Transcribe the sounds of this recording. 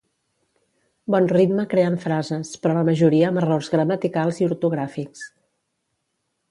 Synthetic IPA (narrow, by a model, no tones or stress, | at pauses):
bɔnrid̪məkɾeəɱfɾazəspɾɔləməʒuɾiəːmərorzɣɾəmət̪ikalˠziuɾt̪uɣ̞ɾafiks